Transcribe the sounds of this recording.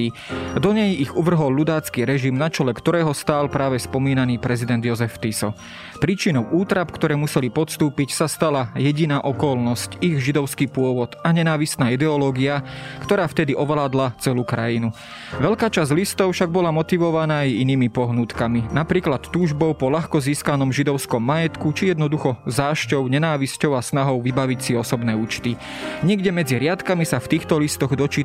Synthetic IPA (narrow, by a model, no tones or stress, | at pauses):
id̪ɔɲɛjiɣuʋr̩ɦɔlːud̪aːt͡skiːɾɛʒimnat͡ʃɛlɛkt̪ɔɾɛːɦɔst̪aːlpɾaːʋɛspɔmiːnaniːpɾɛzid̪ɛnd̪jɔzɛft̪isɔ̰ | pɾiːt͡ʃinɔʊʔuːt̪ɾapkt̪ɔɾɛːmusɛlipɔt̪st̪uːpicsast̪alajɛɟinaːʔɔkɔlnɔsciɣʒid̪ɔʊskiːpʊɔʋɔd̪aɲɛnaːʋist̪naːid̪ɛɔlɔːɡiakt̪ɔɾaːft̪ɛd̪iʔɔʋɛlaːd̪lat͡sɛluːkɾa̰jinu | ʋɛʎkaːt͡ʃazɟlist̪ɔʊfʃaɡ̚bɔlamɔt̪iʋɔʋanaːajiniːmipɔɦnut̪kaminapɾiːklat̪ːuːʒbɔʊpɔlaxkɔziːskanɔmʒid̪ɔʊskɔmːajɛt̪kut͡ʃijɛd̪nɔd̪uxɔzaːʃcɔʊɲɛnaːʋiscɔʊasnaɦɔʊʋibaʋicsiɔsɔbnɛːuːt͡ʃt̪i | ɲɪɛɡɟɛmɛd͡ziɾɪat̪kamisaft̪iːxt̪ɔlist̪ɔɣd̪ɔt͡ʃiː